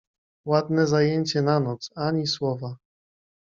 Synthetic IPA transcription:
wad̪̚nɛzajeɲt͡ɕɛnanɔt̪saɲiswɔva

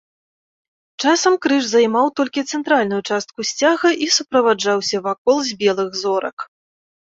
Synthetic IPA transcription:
t͡ʂasɐmkɾɨʐzajmawt̪ɔlʲkʲit̪sɛnt̪ɾalʲnujut͡ʂast̪̚kusʲt͡sʲaɣɐʔisupɾɐvad͡ʐawsʲɐvakɔlˠzʲbʲɛlˠɨɣzɔɾɐ̰k

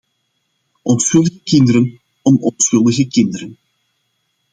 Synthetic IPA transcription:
ɔnsxɵlˠdəɣəkɪndəɾən | ɔmɔnsxɵlˠdəɣəkɪndəɾən

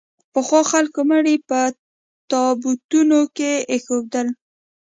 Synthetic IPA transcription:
pəxwɑxalkomaɽipə | t̪ɑbut̪unokeːxobd̪əl

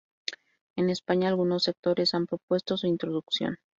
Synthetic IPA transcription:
e̞ne̞spaɲaːlɣuno̞sːe̞k̚t̪o̞ɾe̞sampɾo̞pwe̞st̪o̞suint̪ɾo̞ðuksjo̞̰n

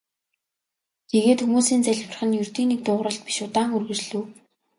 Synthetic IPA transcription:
t͡ɕeɣeːt̪xumuːsiːnt͡sæɮʲwə̆rχə̆njɵr̥t̪iːnːek̚t̪ʊːʁɾə̆ɬt̪̚pi̥ʃʊt̪aːŋɵrɣɘ̆rɮŭː

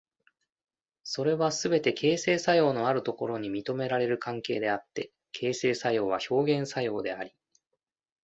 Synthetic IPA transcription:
so̞ɾe̞βasɨbe̞t̪e̞ke̞ːse̞ːsajo̞ːno̞aɾɯ̟t̪o̞ko̞ɾo̞ɲ̟imʲit̪o̞me̞ɾaɾe̞ɾɯ̟kãŋke̞ːd̪e̞at̪ːe̞ | kʰe̞ːse̞ːsajo̞ːβ̞aço̞ːɡẽ̞ɰ̃sajo̞ːd̪e̞aɾʲi

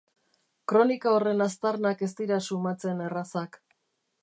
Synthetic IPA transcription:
kɾo̞nikao̞renast̪aɾnake̞st̪iɾasumat͡se̞ne̞rasak

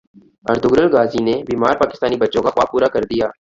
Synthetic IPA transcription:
ɐɾd̪ʊɡɾəlɡaːzinebiːmaːɾpaːkɪst̪aːnibɐtːʃõkaxʊa̰ːpuːɾakɐɾd̪ijaː

